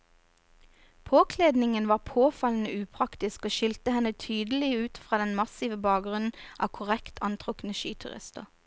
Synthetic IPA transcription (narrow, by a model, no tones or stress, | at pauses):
pʰoːkʰleːd̪nɪŋənʋɑːʁpʰoːfɑln̩əʉːpʰʁɑkt̪ɪskoːʃɪlt̪əhɛnət̪ʰyːd̪əl̩ɪʉːt̪fʁɑːd̪ɛnmɑsiʋəbɑːk̚ɡʁʉnn̩ʔɑ̰ːkʰʊʁɛkt̪ʰɑnt̪ʰʁʊkn̩əʃḭːt̪ʰʉ̰ʁɪ̰st̪ə̰ʁ